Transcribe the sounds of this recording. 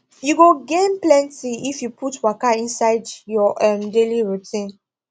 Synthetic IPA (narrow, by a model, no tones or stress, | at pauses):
juɡoɡẽnplɛ̃ntiifjupʰutwakaĩnsaɪdjɔʔɛ̃mdeliɹutĩn